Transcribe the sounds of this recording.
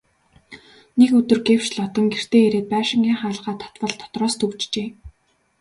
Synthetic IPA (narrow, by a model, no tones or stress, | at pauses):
nekɵt̪ɵ̆rɡew̥t͡ɕɮɔt̪ə̆ŋɡer̥t̪ʰeːeɾeːt̪̚pæːʃɪ̆ŋɡʲiːŋχaːɮʁaːt̪ʰɔ̥t̪pə̆ɮt̪ʰɔ̥t̪rɔːst̪ʰɵwt͡ɕt͡ɕeː